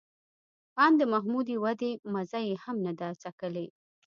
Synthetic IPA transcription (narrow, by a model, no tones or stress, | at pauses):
pɑnd̪əmaɦmud̪iwad̪emazajehamnad̪at͡sakəle